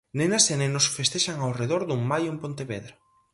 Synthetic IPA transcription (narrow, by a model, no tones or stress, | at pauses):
nenasenenosfest̪eʃaŋawreðoɾðuŋmajumpont̪eβeðɾa